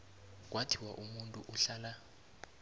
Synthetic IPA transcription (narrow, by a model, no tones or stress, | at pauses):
k̬watʰiwaʔumuntʼuʔuɬaːla